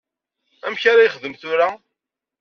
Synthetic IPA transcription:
æ̰mçaɾajχðəmθʊɾa

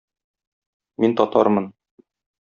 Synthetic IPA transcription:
mint̪ɒt̪ɑɾmɤn

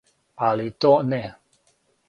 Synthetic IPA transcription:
alit̪onɛ

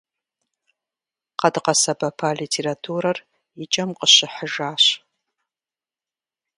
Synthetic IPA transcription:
qɐdqɐsɐbɐpʰalitʰeːɾatʰuːrɐr | ɪt͡ʃʼɐmqəɕɪħəʒaːɕ

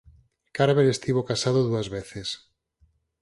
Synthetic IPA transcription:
kaɾβelest̪iβ̞okasaðʊðuazβeθes

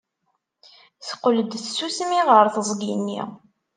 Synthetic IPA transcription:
θə̥qːələd̪θsusmiʁəɾθəzˤɡinːḭʁ

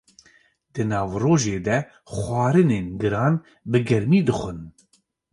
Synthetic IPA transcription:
d̪ɨnɑːvroːʒeːd̪ɛ | xʷɑːɾɨneːnɡɨɾɑːn | bɨɡɛɾmiːd̪ɨxʷɨn

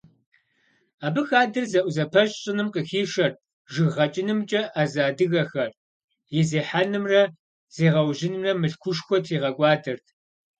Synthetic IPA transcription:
aːbɨxaːdɨrzɐʔʷzɐpʰɐɕʼɕʼɪnɨmqəxiːʂɐr | ʒɨɣʁɐt͡ʃʼɪnɨmt͡ʃʼɐʔazaːdɨɣɐxɐr | jɪzeːħanɨmrɐ | z̥eːʁɐwʑɪnɨmrɐmɨɬkʷʰʊʂxʷɔtʰiːʁɐkʷʼɑːdɐrtʰ

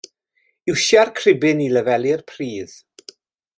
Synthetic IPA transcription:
ɪwʃjarkʰrɪbɪniləvɛlɪrpʰriːð̥

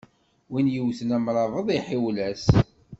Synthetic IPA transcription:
winjəwθnæmɾˤɑvˤəðˤiħɪwlæs

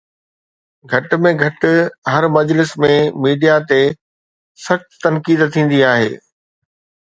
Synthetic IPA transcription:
ɡʱɐʈmẽɡʱɐʈɦɐɾmɐd͡ʑlɪsmẽmiːɖijat̪e | sɐxt̪ːɐnkiːd̪t̪ʰĩːn̆d̪iaːɦḛː

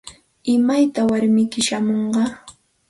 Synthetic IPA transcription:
ɪmajt̪awaɾmɪkɪʃamoɴɢɑ

